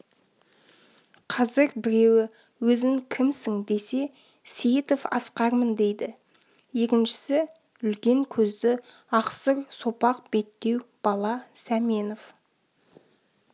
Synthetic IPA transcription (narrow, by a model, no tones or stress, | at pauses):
qʰɑzɪɾbɪɾe̞wɪ | wɵzɪŋkʲʰɪmsɪŋd̪e̞se̞ | sijit̪ofɑ̰sqɑɾmənd̪e̞jd̪ɪ | je̞kʲɪnʃɪ̥sɪ | ʏlkʲe̞ŋkʲʰɵzd̪ɪ | ɑqsəɾsopɑq̚be̞t̪ːe̞wb̥ɑlˠɑsæmeno̞f